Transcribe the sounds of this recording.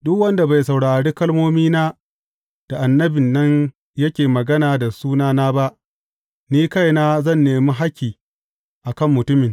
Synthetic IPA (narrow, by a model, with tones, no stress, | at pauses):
dʊ˦kwɐ˦nda˨ba˨jsa˨wɽaː˨ɽeː˦kɐ˦lmoː˦miː˦naː˦ | d̥a˨ʔa˨nːɐ˦bɪ˨nːɐ˦ɲ | jɐ˦kʲeː˨mɐ˨ɡɐ˦naː˨da˨suː˦naː˦naː˦ba˦ʔ | niː˦ka˦˨jnaː˦zɐ˦˨nːeː˨mi˦ɦa˦kʲːiː˨ | ʔa˨kɐ˦˨mːʊ˨tʊ˦mɪ˨ŋ